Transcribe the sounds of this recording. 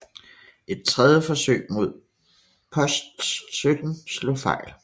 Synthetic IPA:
ʔe̝d̥̚t͡sʰʁɛðˠjəfɒ̽sø̰ːɪ̰mo̝ð̞̰ˠ | pʰɒ̽sd̥ssød̥n̩slo̰fɑ̈ɪ̰l

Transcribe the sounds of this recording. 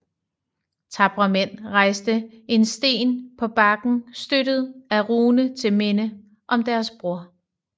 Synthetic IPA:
t͡sʰɑ̈b̥ʁɐmen̰ʁɑ̈ɪsd̥əe̝nsd̥e̝̰ːnpʰɒ̽b̥ɑ̈ɡ̥n̩sd̥øɾ̥əð̞ˠæʁuːnət͡sʰe̝lmenə | ʔɒ̽md̥æɐsb̥ʁuɐ̰

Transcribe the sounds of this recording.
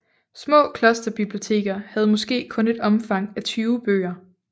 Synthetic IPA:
smɔ̰̽ːkʰlɒ̽sd̥ɐb̥ib̥lio̝t͡sʰe̝̰ːɡ̥ɐhæð̞̩ˠmɒ̽sɡ̥e̝̰ːkʰɔ̽ne̝d̥ɒ̽mfɑ̈ŋ̰æt͡sʰyːʊb̥ø̰ːɐ

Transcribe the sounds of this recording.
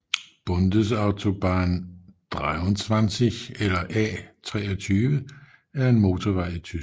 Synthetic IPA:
b̥ɔ̽nd̥əsɑ̈ʊt͡sʰo̝b̥ɑːnd̥ʁaɔnt͡sʰʋansiɡelɐʔɛ̰ːt͡sʰʁɛ̰ːɒt͡sʰyːʋə | æɐe̝nmo̝ːt͡sʰoʋɑ̈ɪ̰it͡sʰy

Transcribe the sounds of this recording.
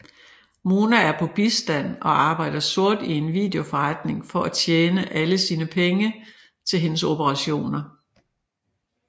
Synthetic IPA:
mo̝ːnææɐpʰɒ̽b̥isd̥æn̰ɒ̽ɑ̈ːb̥ɑ̈ɪ̰d̥ɐso̝ɐ̰d̥ie̝nʋḭd̥e̝o̝fɒʁɑd̥ne̝ŋfɒ̽ʔæt͡sʰjeːnəʔæləsiːnəpʰeŋə | t͡sʰe̝lɦe̝nəso̝b̥əʁɑ̈ɕo̝̰ːnɐ

